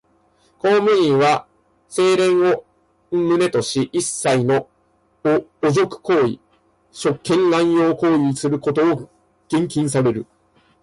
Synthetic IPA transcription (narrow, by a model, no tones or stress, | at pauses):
koomɯ̟ɲĩɰβa | se̞ːɾẽ̞ɰ̃o | mɯ̟ne̞t̪o̞ɕiʔisːaino̞ | zo̞kɯ̟̥ko̞ːḭ | ɕo̞kːẽ̞ŋlãɰ̃jo̞ːko̞ːisɨɾɯ̟ko̞t̪o̞ː | ɡ̥ẽ̞ŋkʲĩɰ̃saɾe̞ɾɯ̟